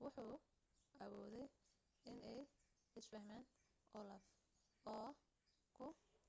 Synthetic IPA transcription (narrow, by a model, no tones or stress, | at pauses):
wʊħuː | ʔɑβɔːðɛj | ɪnɛj | ɪsfɐhmaːn | ʔɔlɐf | ʔɔː | kʰʊ